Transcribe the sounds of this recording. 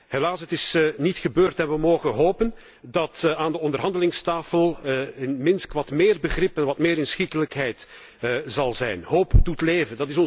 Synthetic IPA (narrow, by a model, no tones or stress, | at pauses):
helaːsɦətɪsnitxəbøːrtɛnʋəmoːɣənɦoːpən | dɑtaːndəɔndərɦɑndəlɪŋstaːfəlˠɪnmɪnskʋɑtmɪːrbəɣrɪpɛnʋɑtmɪːɾɪnsxikələkɦɛjt | zɑlˠzɛ̰jnɦoːpdutleːvəndɑtɪs̬ɔn